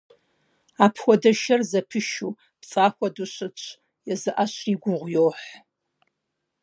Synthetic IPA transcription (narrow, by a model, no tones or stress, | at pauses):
aːpʰxʷɔdɐʃɐrzɐpʰɨʃu | pt͡sʼaːxʷɔduɕɨt͡ʃʷʰ | jɛzɨʔaɕriːɡʷʊʁʷjoːħ